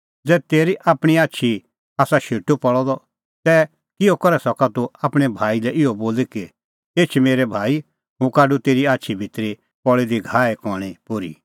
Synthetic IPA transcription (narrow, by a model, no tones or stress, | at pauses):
d͡zɛt̪eːɾiʔaːpɽ̃iaːʃʰi | aːsaʃeːʈupɔɭɔd̪ɔ | sɛ | kɪjokɐɾɛsɔkat̪uaːpɽ̃ɛbʱaːilɛʔɪɔboːlikɪ | eːt͡ʃʰmeːɾɛbʱaːi | ɦʊ̃kaːɖut̪eːɾiaːtːʃʰibʱɪt̪ɾi | pɔɭed̪iɡʱaːɛkɔɽ̃ipʊɾḭ